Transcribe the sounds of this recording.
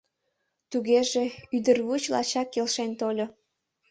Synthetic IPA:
t̪uɣeʒeyd̪ərβut͡ɕlɑ̰t͡ɕɑkːelʃent̪olʲo

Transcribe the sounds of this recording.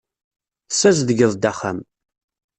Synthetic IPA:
θsːæzðəɡəðˤd̪æχæ̰m

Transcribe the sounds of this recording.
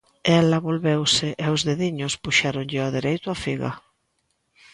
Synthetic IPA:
ɛlɐβolβewsɪʔɛʊzðeðiɲʊspuʃaɾʊŋʎɪaðeɾejt̪ʊafiɣɐ̰

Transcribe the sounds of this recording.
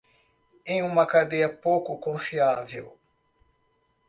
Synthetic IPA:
ẽj̃ũmɐkad̪ejɐpowkʊkõfiavew

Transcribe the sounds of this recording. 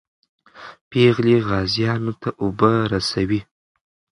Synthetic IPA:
peɣliɣɑzjɑnot̪ʰaʔobəɾasawi

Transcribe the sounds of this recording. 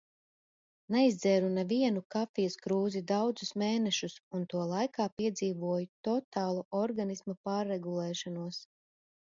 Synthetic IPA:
nɛizd̪zɛːɾunɛviɛnukafijɐskɾuːzid̪awd̪zusmeːnɛʃusunt̪uɔlˠajkaːpiɛd̪ziːvuɔjut̪ɔt̪aːlˠuʔɔɾɡanismapaːɾːɛɡulˠɛːʃɔnuɔs

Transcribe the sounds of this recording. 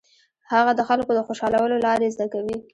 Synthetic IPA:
haɣad̪əxalkod̪əxoʃɑlawəlolɑɾezd̪akawi

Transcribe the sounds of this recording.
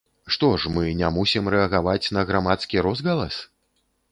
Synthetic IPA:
ʂt̪ɔʂmɨnʲamusʲimɾɛɐɣavat͡sʲnɐɣɾamat̪skʲiɾɔzɣɐlˠɐs

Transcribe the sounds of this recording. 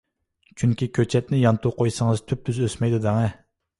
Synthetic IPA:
t͡ʃʰyŋkʲikʲʰøt͡ʃʰɛt̪̚nɪjɑnt̪ʰuqʰojsəŋɨzt̪ʰyp̚ːyzøsmɛjd̪ud̪æŋɛ

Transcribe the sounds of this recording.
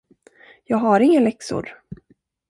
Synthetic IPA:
jɑːɡɦaɾɪŋːalɛksʊ̰ɾ

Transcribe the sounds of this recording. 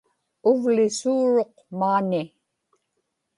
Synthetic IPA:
ʊvlɪsuːɻo̞q | maːni

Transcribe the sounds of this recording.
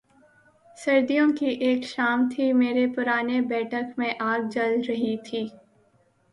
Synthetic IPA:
sɐɾd̪ijõkiʔeːkʃaːmt̪ʰimeːɾepʊɾaːnebɛːʈʰəkmẽʔaːɡ̚d͡ʒɐlɾɐɦit̪ʰiː

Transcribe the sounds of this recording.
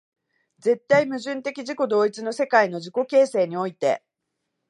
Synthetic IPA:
d͡ze̞t̪ːaimɯ̟ʑɨ̃nt̪e̞kʲiʑiko̞d̪o̞ːit͡sɨno̞se̞kaino̞ʑiko̞ke̞ːse̞ːɲ̟io̞it̪e̞̰

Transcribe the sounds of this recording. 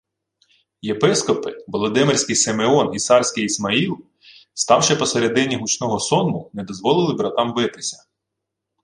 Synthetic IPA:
jepɪskɔpɪʋɔlˠɔd̪ɪmɪrʲsʲkɪjsemeɔniɑrsʲkɪjismɐilˠ | st̪ɑwʃɪpɔseɾed̪ɪnʲiɦut͡ʃnɔɦɔsɔnmʊnɛd̪ɔzʋɔlˠɪlˠɪbɾɐt̪ɑmʋɪt̪ɪsʲɐ̥

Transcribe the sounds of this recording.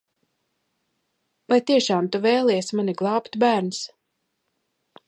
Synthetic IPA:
vajt̪iɛʃaːmt̪uvɛːjlˠɛjsmaniɡlˠɑːpt̪bæːɾns

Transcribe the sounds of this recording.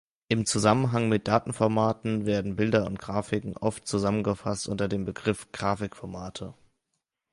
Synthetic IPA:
ʔɪmt͡suzamənɦaŋmɪt̚d̥aːtn̩fɔɐmaːtn̩veːɐdn̩bɪldɐʊ̰ntɡ̥ʁaːfɪkŋ̩ʔɔftt͡suzamənɡəfastʔʊntɐdeːmbəɡʁɪfɡ̥ʁaːfɪkfɔɐmaːtʰə

